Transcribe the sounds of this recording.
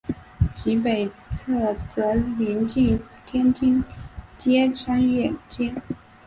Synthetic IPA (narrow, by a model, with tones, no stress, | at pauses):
t͡ɕi˧˥pe˨˩ɪt͡sʰɤ˥˩t͡sɤ˧˥li˧˥nt͡ɕi˥˩ŋ | t̪ʰjɛ˥nt͡ɕi˥˩nt̪jɛ˥ʂa˥nɥɛ˨˩nt͡ɕjɛ˥˩n